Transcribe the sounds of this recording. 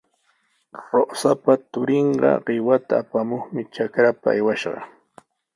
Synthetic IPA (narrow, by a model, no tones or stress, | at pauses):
ɾosapat̪ʊɾeɴɢɑ̰ɢɪwat̪aːpamoχmɪt͡ʃakɾapaa̰jwaʃɢɑ̰